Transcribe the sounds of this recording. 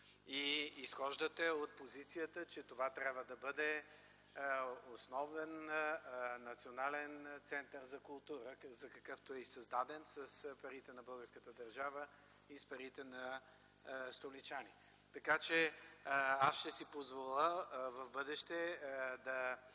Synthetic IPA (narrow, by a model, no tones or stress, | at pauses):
iisxɔʒd̪ət̪ɛot̪̚pozit̪sijət̪ət͡ʃɛt̪ovat̪ɾʲjabvəd̪ɐbəd̪ɛ | osnɔvɛn | nɐt̪sionalɛnt̪sɛnt̪əɾzɐkʊlˠt̪uɾəzɐkɐkɤft̪oɛisɐzd̪ad̪ɛnsəspɐɾit̪ɛnɐbɤlˠɡəɾskət̪əd̪ɐɾʒavə | ispɐɾit̪ɛnɐ | st̪olit͡ʃani | t̪ɐkat͡ʃɛ | asʃt̪ɛsipozvolˠəvɐvbɤd̪ɛʃt̪ɛd̪ɐ